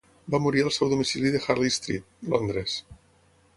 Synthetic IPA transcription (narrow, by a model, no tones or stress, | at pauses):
bamuɾiɾalˠsɛwðomisiliðexaɾlist̪ɾḭt̪̚lond̪ɾes